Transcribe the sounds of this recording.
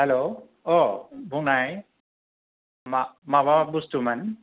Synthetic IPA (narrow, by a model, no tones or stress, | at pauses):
hɛlo | ɔbʱunaj | mamababustuman